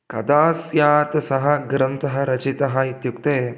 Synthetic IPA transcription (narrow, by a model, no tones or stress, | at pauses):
kɐd̪aːsjaːt̪sɐɦɐ̆ɡɾɐnt̪ɐɦɐɾɐt͡ʃit̪ɐɦɐit̪jukt̪eː